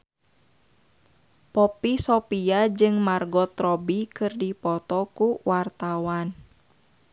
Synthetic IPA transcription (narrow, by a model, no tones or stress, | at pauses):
pɔpisɔpiad͡ʒɨŋmarɡɔt̪ɾɔbikɨrdipɔt̪ɔkuwart̪awan